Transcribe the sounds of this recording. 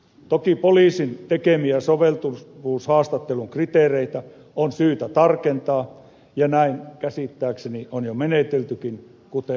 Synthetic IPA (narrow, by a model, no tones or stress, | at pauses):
t̪okipoliːsint̪ekemiæsoʋelt̪uʋuːshɑːst̪ɑt̪ːeluŋkrit̪eˑːreit̪æ | onsyːt̪æt̪ɑrkent̪ɑː | jɑnæiŋkæsit̪ːæːksenionjomenet̪elt̪ykin | kut̪e